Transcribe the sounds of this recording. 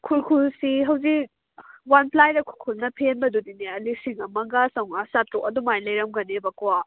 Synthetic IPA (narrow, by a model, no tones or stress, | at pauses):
kʰulkʰulsiɦɐwzik | wanpʰlajɾɐkʰu̥kʰulnɐpʰenbɐdudineɐlisiŋɐmɐɡasɐwŋasatɾoʔɐdumajlɐjɾɐmɡɐnebakowa